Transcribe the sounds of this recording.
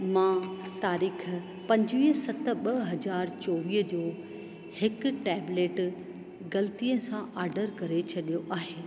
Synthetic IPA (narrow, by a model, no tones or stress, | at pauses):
mãt̪aːɾiːkʰ | pɐ̃ɲd͡ʑʋiːɦsɐt̪ə̆ɓɐɦɐzaːɾt͡ɕoːʋiːɦd͡ʑoː | hɪkʈɛːbleːʈ | ɡɐlt̪iːə̃sãʔaːɾɖəɾkɐɾet͡ɕʰɐɗijoʔaːɦeː